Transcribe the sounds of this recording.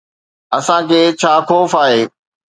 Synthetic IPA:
ɐsãkʰeːt͡ɕʰaːxoːfaːɦeː

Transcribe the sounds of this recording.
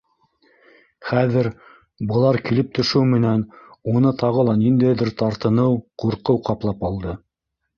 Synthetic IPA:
χæðɘɾ | bɤ̆lˠɑɾkilɘp̚t̪ʰɵ̆ʃɘwmɘ̆nænunɤt̪ɑʁɤ̆lˠɑnind̪æjðɘɾt̪ɑɾt̪ɤ̆nɤwquɾqɤwqɑplˠɑpɑlˠd̪ɤ

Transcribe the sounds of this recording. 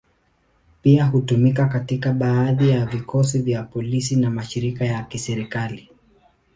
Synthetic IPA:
piaɦutumik̬akatikaɓaːðijavikɔs̬ivjapɔlis̬inamaʃiɾikajakisɛɾikali

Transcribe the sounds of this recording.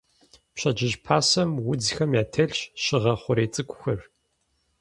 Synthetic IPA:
pɕɐd͡ʒɪʑpʰaːsɐmwʊd͡zxɐmjaːtʰɐɮɕʃɪʁɐχʷʊɾeːt͡sʼɨkʷʰʼʊxɐr

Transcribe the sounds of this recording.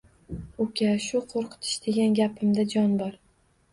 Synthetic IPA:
ʊkʲʰaʃʊqʰoɾqʰɨ̥t̪ʰɪ̥ʃd̪e̞ɡʲanɡʲapʰɪmd̪ad͡ʒɒnbɒɾ

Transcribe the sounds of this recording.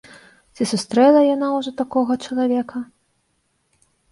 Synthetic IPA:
t͡sʲisust̪ɾɛlˠɐjanawʐɔt̪akɔɣɐt͡ʂɐlˠavʲɛkɐ

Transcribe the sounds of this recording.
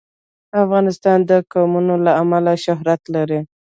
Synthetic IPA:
afɣɑnɪst̪ɑnd̪əkɑmunolaamalaʃʊɦɾat̪laɾi

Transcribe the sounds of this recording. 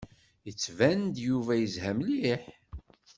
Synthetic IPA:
jət͡sːvænd̪juvæjəzhæmliħ

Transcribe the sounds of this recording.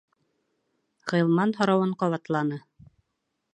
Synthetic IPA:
ʁɤ̆jlˠmɑnɦŏɾɑwɤɴqɑβɑt̪lˠɑnɤ

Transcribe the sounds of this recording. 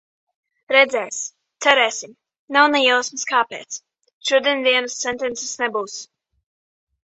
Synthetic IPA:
ɾɛd̪zɛːs | t̪sɛɾɛːsʲim | nawnɛjɛwsmɨskaːpḛːt̪s | ʃuɔd̪iɛnd̪iɛnəst̪sɛnt̪ɛnt̪sɛ̥snɛbuːs

